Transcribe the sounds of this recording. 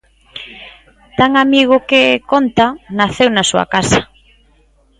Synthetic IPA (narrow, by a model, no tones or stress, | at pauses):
t̪aŋamiɣ̞ʊkekont̪anaθewnasuɐ̰kasḁ